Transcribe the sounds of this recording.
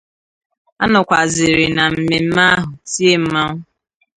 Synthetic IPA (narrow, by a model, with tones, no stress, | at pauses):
a˦nʊ˨kʷa˨zɪ˨ɾɪ˨na˨m̩˨me˨m̩˦ma˦ɦʊ˨si˦e˦m̩˦ma˦ŋʊ˦